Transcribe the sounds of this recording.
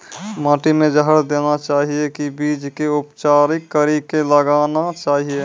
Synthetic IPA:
mãːʈimẽd͡ʒəɦəɾd̪eːnat͡ʃaːɦiekibiːd͡ʒkeʊpt͡ʃaːɾikːəɾikeləɡaːnat͡ʃaːɦie

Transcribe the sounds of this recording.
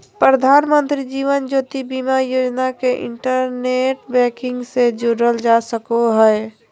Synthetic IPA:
pɾəd̪ʱaːnmə̃nt̪ɾid͡ʒiːʋənd͡ʒoːt̪ibimajoːd͡ʒnakeʔɪ̰̃ɳʈəɾneʈbɛːkɪ̃ŋɡsed͡ʒoɾəld͡ʒasəkoɦɛ

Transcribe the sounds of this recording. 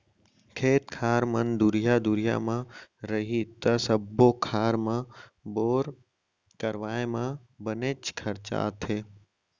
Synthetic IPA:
kʰeːt̪kʰaːɾmənd̪ʊɾɪjad̪ʊɾɪja̰mãɾəɦit̪ɐsəbokʰaːɾmãboːɾ | kɐɾʋaːemã | bəneːt͡ʃkʰɐɾt͡ʃa̰ːt̪ʰeː

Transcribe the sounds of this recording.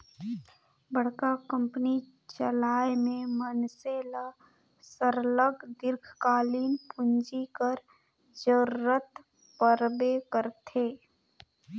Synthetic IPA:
bəɽ̤kakə̃mpni | t͡ʃəlaːjmẽmənsela | səɾləɡd̪ɪɾɡʰʱkaːliːnpʊnd͡ʒikəɾ | d͡ʒəɾːət̪ | pəɾbekəɾt̪ʰeː

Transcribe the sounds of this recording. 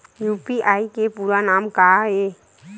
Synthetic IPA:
juːpiʔaːikepuːɾanaːmkaeː

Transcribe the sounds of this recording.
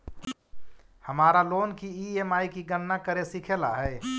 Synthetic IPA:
həmaːɾaloːnkiiemaːikiɡənːakəɾesikʰela̰ɦɛː

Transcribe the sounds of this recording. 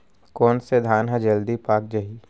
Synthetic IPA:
kɔːnsed̪ʱaːnɦãd͡ʒɐld̪ipaːk̚d͡ʒɐɦi

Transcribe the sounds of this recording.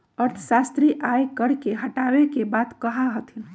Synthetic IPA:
əɾt̪ʰʃast̪ɾiʔajkəɾkeɦəʈawekebaːt̪kəɦaɦət̪in

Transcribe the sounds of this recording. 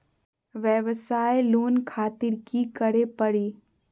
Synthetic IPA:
ʋəʋsaːeloːnkʰaːt̪ɪɾkikəɾepəɽiː

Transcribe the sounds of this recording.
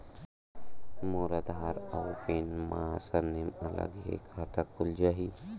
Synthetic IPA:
moːɾad̪aɾawpenmasəɾnemɐlə̰ɡjḛkʰaːt̪akʰʊld͡ʒaːɦi

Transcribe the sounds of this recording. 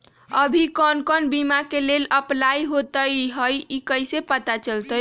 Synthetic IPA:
əbʱikɔnkənbimakeleləplajɦot̪əjɦəjikəjsepət̪at͡ʃəlt̪əj

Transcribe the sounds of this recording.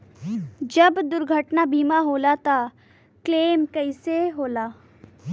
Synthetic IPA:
d͡ʒɐbd̪ʊɾɡʱəʈnabʱiːmaɦoːlat̪a | kleːmkɐɪseɦoːlaː

